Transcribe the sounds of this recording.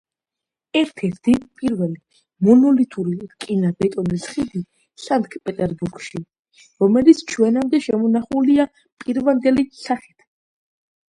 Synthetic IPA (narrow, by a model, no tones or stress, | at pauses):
ɛɾt̪ʰɛɾt̪ʰipʼiɾvɛli | mɔnɔlit̪ʰʼuɾikʼinabɛt̪ʼɔnisχid̪i | saŋkʰpʼɛt̪ʼɛɾbuɾɡʃi | ɾɔmɛlit̪sʰt͡ʃʰwɛnamd̪ɛʃɛmɔnaχulia | pʼiɾvand̪ɛlisaχi̥t̪ʰ